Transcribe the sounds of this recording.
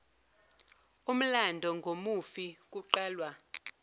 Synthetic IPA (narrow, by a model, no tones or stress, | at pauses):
um̩landʱɔŋɡʱomufik̬ʼuǃaːlwa